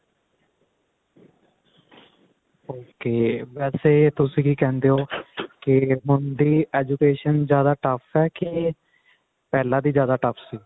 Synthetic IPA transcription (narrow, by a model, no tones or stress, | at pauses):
oːkeːʋɛːseːt̪ʊsĩːkiːkɛ̃ːnd̪eːoːkɪmʊnd̪iːɛːd͡ʒukeːʃənzjaːd̪aːʈəpʰɛːkɪ | pɛːlãːd̪iːzjaːd̪aːʈəpʰsiː